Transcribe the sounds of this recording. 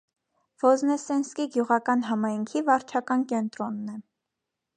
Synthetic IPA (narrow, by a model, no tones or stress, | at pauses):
v̥ɔznɛsɛnskiɡjuʁɑkɑnɦɑmɑjŋkʰivɑɾt͡ʃʰɑkɑnkɛnt̪ɾɔnːɛ